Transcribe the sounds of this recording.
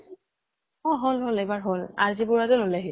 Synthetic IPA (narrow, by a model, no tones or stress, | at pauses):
ɔɦolɦolejbaɹɦola̰ɹzibʊɹatɛlolaɦi